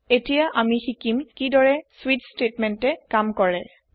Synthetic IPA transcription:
etijaʔamixikimkidɔɹɛswitstetmɛntɛkamkɔɹɛ

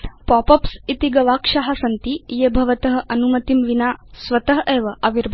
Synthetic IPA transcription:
pɔpɐpsit̪iɡɐʋaːkʂaɦasɐnt̪ijebʱɐʋɐt̪ɐɦə̆ʔɐnumɐt̪imʋinasʋɐt̪ɐɦɐʔeːʋɐʔɐʋiɾbʱ

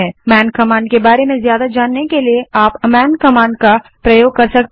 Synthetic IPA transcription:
ɛːmɛːnkɐmãːɳɖ̚kebaːɾemẽzjaːd̪ad͡ʒaːnːekelieaːpɐmɛːnkɐmãːɳɖ̚kapɾɐjoːɡ̚kɐɾsɐk̚t̪

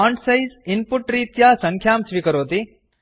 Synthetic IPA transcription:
aːɳʈsɐjzinpʊʈɾiːt̪jaːsɐŋkʰjaːmsʋikɐɾoːt̪i

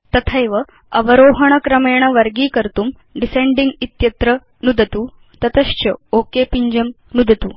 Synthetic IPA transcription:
t̪ɐt̪ʰɐjʋɐ | ɐʋɐɾoːɦɐɳ̃ɐkɾɐmeːɳ̃ɐʋɐɾɡiːkɐɾt̪um | ɖiseɳɖiŋɡit̪jɐt̪ɾɐ | nud̪ʱɐt̪u | t̪ɐt̪ɐʃt͡ɕɐoːkepiɲd͡ʒɐm | nud̪ʱɐt̪uː

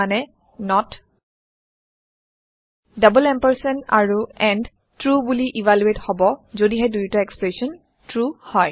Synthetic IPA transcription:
anɛ | nɔt | dabəlɛmpəɹsɔna̰ɹuɛnd | tɹubuliʔivʱaljuethɔbɔzodiɦɛdujtaɛkspɹesɔn | tɹuhɔj

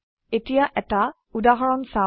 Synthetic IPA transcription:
etijaʔɛta | udaɦɔɹɔnsa

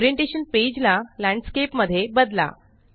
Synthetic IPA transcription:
ɾjeɳʈeɕənped͡ʑlalæ̃ɳɖskepməd̪ʱːjebəd̪la̰

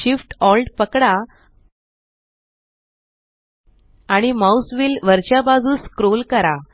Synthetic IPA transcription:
ɕifʈɔlɖpəkɽa | aɽ̃imausʋiːlʋəɾt͡ɕjabad͡zuːskɾolkəɾa

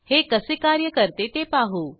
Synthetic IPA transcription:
heːkəsekaːɾjəkəɾt̪et̪epaːɦoː

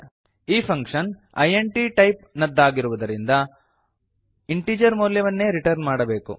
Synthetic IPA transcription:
iːpʰɐŋkʂɐn | ɐ̰jeɳʈiʈɐjp̚nɐd̪ːaːɡiɾuʋɐd̪ɐɾind̪ɐ | iɳʈiːd͡ʒɐɾmoːljɐʋɐnːe̞ːɾiʈɐɾnmaːɽɐbe̞ːkṵ

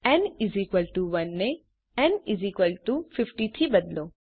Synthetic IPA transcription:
ɛ̃nɪzikʋəlʈuʋɐnːe | ɛ̃nɪzikʋəlʈufɪfʈit̪ʰibɐd̪loː

